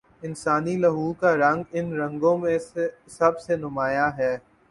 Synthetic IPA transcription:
ɪnsaːnilɐɦuːkaɾɐ̃ŋɡɪnɾɐ̃ŋɡõmẽe | sɐbsenʊmaːjaɦɛː

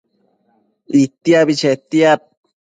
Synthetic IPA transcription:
it̪iabit͡ʃʰet̪iat̪̚

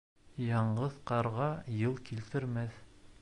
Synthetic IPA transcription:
jɑɴɢɤðqɑɾʁɑjɤlˠkilt̪ɘ̆ɾmæθ

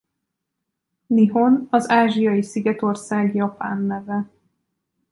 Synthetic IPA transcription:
niɦo̞nɒzaːʒijɒjisiɡɛt̪o̞rsaːɡjɒpa̰ːnːɛvɛ

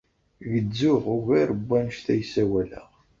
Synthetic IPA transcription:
ʝəd͡zːʊʁʊɣæɾəbːænʃt̪æjsæwælæ̰ʁ

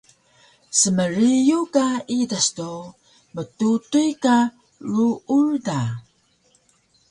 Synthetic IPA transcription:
səməɾijukaidasto | mətutujka | ɾuuɻda

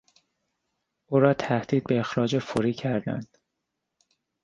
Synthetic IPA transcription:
ʔuːɾɒːt̪ʰæhd̪̥iːd̪̚be̞exɾɒːd͡ʒefoɾiːcʰæɾd̪æ̰nd̪̥

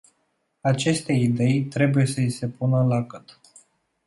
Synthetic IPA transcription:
at͡ʃe̞st̪e̞id̪e̞jt̪ɾe̞buje̞səise̞punəlakət̪

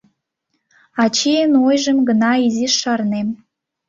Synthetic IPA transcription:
ɑt͡ɕijənojʒəmɡə̆nɑiziʃːɑrnem

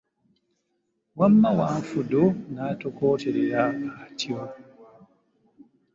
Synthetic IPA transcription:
wamːawanfudɔnaːtɔkɔːtɛɾɛjaːkatiwa

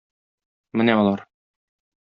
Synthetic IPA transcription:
mɘnæɒlˠɑɾ

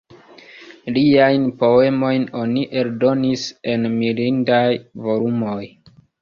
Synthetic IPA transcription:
liajnpo̞e̞mo̞jno̞niʔe̞ldo̞nise̞nmilindajvo̞lumo̞j

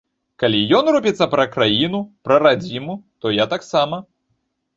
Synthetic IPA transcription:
kalʲijɔnrupʲit̪sːɐpɾɐkɾajinupɾɐɾad͡zʲimut̪ɔjat̪aksamɐ

